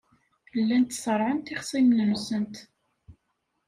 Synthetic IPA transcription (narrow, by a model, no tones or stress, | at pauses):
əlːænt̪ːsˤəɾˤʕənt̪iχsˤimnənsənt̪